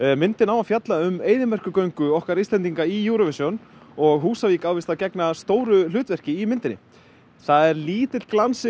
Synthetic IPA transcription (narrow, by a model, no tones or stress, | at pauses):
mɪnt̪ɪnawafjat̪laʏmeːjðɪmɛr̥kʏkœɥŋkʏɔhkaɾiːst̪ɛnt̪iŋkaijuːɾɔvɪsjɔnɔɣɦuːsaviːkawvɪst̪acɛknast̪oːwɾʏlʏːt̪vɛr̥cɪimɪnt̪ɪnɪ̰ | θaðɛɾliːt̪ɪt̪klansɪ